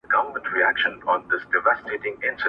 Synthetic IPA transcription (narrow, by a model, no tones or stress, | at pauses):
ɡʌvə˞mə̃ntʰɹiækʃə̃nɔ̃nðɪsd̥ɪvæsteɪtɪ̃ŋɪ̃nsɨ